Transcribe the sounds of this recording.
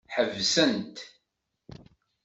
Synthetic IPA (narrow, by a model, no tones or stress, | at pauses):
ħəvsənt̪